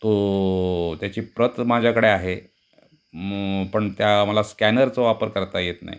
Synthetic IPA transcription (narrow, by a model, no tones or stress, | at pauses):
t̪o | t̪jat͡ɕiːpɾət̪mad͡ʑʱjakəɽeaɦe | pəɳt̪jaməlaskænəɾt͡soʋapəɾkəɾt̪ajet̪na̰ɦj